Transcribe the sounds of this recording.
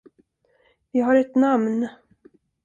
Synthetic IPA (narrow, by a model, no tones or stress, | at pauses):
vɪɦaɾɛt̪namn